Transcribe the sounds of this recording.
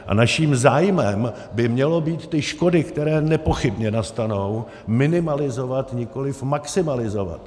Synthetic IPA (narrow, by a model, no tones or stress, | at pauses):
ʔa̰naʃiːmzaːjmɛm | bɪmɲɛlo̞biːt̪ːɪʃko̞dɪkt̪ɛɾɛːnɛpo̞xɪbɲɛnast̪ano̞w | mɪnɪmalɪzo̞vat̪ɲɪko̞lɪfmaksɪmalɪzo̞va̰t̪